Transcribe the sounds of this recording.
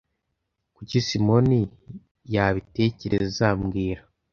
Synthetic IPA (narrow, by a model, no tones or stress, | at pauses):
kucisimo̞ni | jaβite̞ce̞ɾezezamɡiːɾa